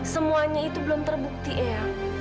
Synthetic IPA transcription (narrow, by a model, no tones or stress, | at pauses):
səmuaɲait̪ubəlʊmt̪ərbuk̚t̪iʔea